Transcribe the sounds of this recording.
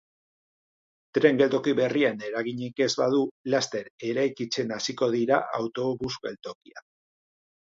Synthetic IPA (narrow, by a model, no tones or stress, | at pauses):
t̪ɾe̞ŋɡe̞lt̪o̞kiβe̞riane̞ɾaɣiɲike̞zβaðulast̪e̞ɾe̞ɾajkit͡se̞nasiko̞ðiɾa̰ʔawt̪o̞βuske̞lt̪o̞kia̰